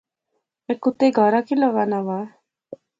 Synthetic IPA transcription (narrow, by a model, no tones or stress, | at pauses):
ekut̪eɡʱɔɾakilaʋanaʋaː